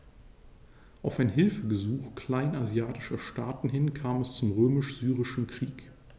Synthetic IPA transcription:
ʔaʊfaɪnɦɪlfəɡəzuːxkl̥aɪnazjaːtɪ̥ʃɐʃtaːtn̩hɪnkʰaːmɛst͡sʊmʁøːmɪʃz̥yːʁɪʃn̩kʁ̥iːk

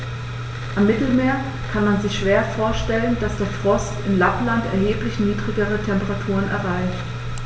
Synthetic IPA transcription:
ʔamːɪtl̩meːɐ | kʰanmanzɪçʃv̥eːɐfoːɐʃtɛlənd̥asd̥eːɐfʁ̥ɔstɪmlaplantɛ̰ɐɦeːplɪçniːdʁɪɡəʁ̞ətʰɛmpəʁatʰuːʁənʔɛ̰ɐʁaɪçt

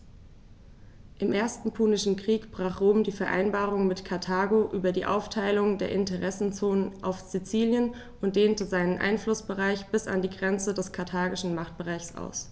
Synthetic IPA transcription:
ʔɪmʔeːɐstn̩pʰuːnɪʃn̩kʁ̥iːkb̥ʁaːχʁ̥oːmdiːfɛɐʔa̰ɪnbaːʁ̞ʊŋmɪtkʰaɐtʰaːɡoʔyːbɐdiːʔa̰ʊftʰaɪlʊŋdeːɐʔɪntəʁɛsn̩t͡soːnənʔa̰ʊfz̥it͡siːljən | ʔʊnt̚d̥eːntəzaɪnənʔa̰ɪnflʊsb̥əʁaɪçb̥ɪsa̰ndiːɡʁɛnt͡sədɛskʰaɐtʰaːɡɪʃn̩maχt̚b̥əʁaɪçsʔa̰ʊs

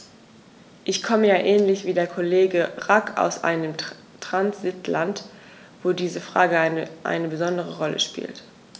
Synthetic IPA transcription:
ʔɪçkʰɔməjaːʔɛːnlɪçv̥iːdeːɐkʰoleːɡəʁaka̰ʊsʔa̰ɪnəm | tʁ̥ansɪtʰlant | v̥oːdiːzəfʁ̥aːɡəʔa̰ɪnəbəzɔndəʁəʁɔlə̰ʃpḭːlt

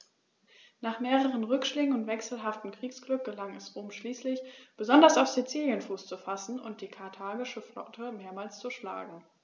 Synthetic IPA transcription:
naːχmeːʁəʁ̞ənʁʏkʃlɪɡŋ̩ʊntv̥ɛksl̩ɦaftm̩kʁ̥iːksɡ̥lʏk̚ɡ̥əlaŋɛsʁoːmʃliːslɪçb̥əzɔndɐsaʊfz̥it͡siːljənfuːst͡sufasn̩ʊ̰nt̚d̥iːkʰaɐtʰaːɡɪʃəflɔ̰tʰəmeːɐmaːlst͡suʃla̰ːɡŋ̩

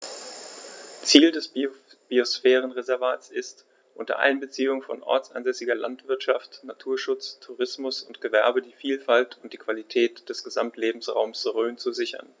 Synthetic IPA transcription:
t͡siːldɛs | b̥iosfɛːʁ̞ənʁezɛɐvaːtsɪst | ʔʊntɐ̰ʔa̰ɪnbət͡siːʊŋfɔ̰nʔɔ̰ɐt͡sa̰nzɛsɪɡɐla̰ntv̥ɪɐtʃaftnatʰuːɐʃʊt͡stʰuʁɪsmʊsʊntɡ̥əvɛɐbədiːfiːlfaltʊnt̚d̥iːkv̥alitʰɛːtd̥ɛsɡ̥əzamtleːbm̩sʁa̰ʊmsʁøːnt͡suzɪçɐ̰n

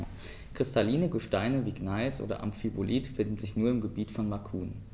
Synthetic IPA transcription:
kʁ̥ɪstʰaliːnəɡəʃtaɪnəviːɡnaɪsʔo̰ːdɐ̰ʔa̰mfibolʔiːtfɪndn̩zɪçnuːɐɪmɡəbiːtfɔnmakʰuːn

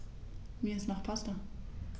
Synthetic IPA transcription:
miːɪstnɔχpʰastɐ

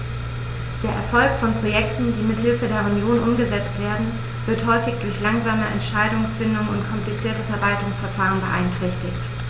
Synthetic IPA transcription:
d̥eːɐʔɛɐfɔlkfɔnpʁ̥ojɛktn̩diːmɪthɪlfədeːɐunjoːnʔʊmɡəzɛt͡stv̥eːɐdn̩ | vɪɐthɔʏfɪçd̥ʊɐçlaŋzaːməʔɛ̰ntʃaɪdʊŋsfɪndʊŋənʊntkʰɔmplit͡siːɐtəfɛɐvaltʊŋsfɛɐfaːʁ̞ənbəʔa̰ɪntʁ̥ɛçtɪçt

